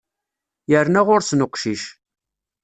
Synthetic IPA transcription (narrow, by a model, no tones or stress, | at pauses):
jəɾnæʁʊɾsnʊqʃiʃ